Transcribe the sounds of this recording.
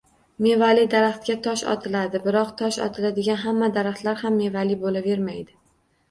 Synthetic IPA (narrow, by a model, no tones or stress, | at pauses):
me̞valɪd̪aɾaχt̪̚kʲat̪ʰɒʃɒ̰t̪ʰɪlad̪ɪbɪɾɒqt̪ʰɒʃɒ̰t̪ʰɪlad̪ɪɡʲanɦamːad̪aɾaχt̪laɾhamːe̞valibolave̞ɾmajd̪ɪ